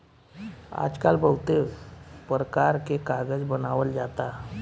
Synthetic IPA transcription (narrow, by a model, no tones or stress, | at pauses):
a̰d͡ʒkalbəwt̪epɾəkaɾkekaɾɡəd͡zbənaʋəld͡ʒat̪a